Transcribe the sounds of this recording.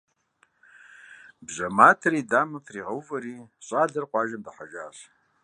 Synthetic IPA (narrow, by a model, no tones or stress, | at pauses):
bʑɐmaːtʰɐɾiːdaːmɐpʰriːʁɐwvɐɾiːɕʼaːdɐrqʷɑːʒɐmdɐħaʒa̰ːɕ